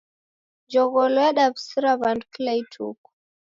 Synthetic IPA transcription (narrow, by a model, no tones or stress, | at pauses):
d͡ʒɔɣɔlɔjaɗabsiɾaβandkilaitʰṵku̥